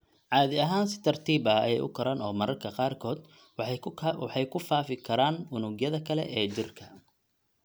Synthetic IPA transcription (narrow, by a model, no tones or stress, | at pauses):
ʕɑːðɪɐɦaːnsɪ̥t̪ʰɐrt̪ʰiːbɐɐ̰jɛjʊ̰kʰɐɾanɔːmɐɾɐrkʰɐqɑːrkʰɔːd̪ | ħɑjkʰʊfaːfɪkʰɐɾaːnʊnʊɡjɐðɐkʰɐlɛ̰ʔɛːt͡ʃɪrkʰɐ